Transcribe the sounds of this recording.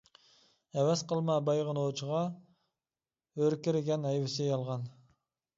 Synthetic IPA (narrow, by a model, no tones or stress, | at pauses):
æwɛz̥qʰəlˠmɑbɑjʁənot͡ʃʰəʁɑ | øɾkʲɪɾɪɡʲɛnɛjwɪsɪjɑlˠʁɑn